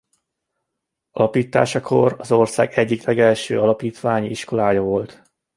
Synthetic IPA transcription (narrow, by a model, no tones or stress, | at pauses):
ɒlɒpiːt̪ːa̰ːʃɒkʰo̞rɒzo̞rsa̰ːɡɛɟːiklɛɡɛlʃøːɒlɒpiːt̪ʋaːɲiiʃko̞laːjɒvo̞lt̪